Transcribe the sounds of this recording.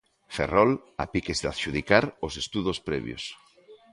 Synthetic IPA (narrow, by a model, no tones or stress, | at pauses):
fḛrɔla̰pikezðaðʃuðikaɾosest̪uðospɾḛβj̰o̰s